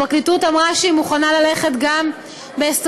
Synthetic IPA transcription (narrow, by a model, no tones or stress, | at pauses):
aklitutamʁaʃeimuχanalale̞χetɡam | bees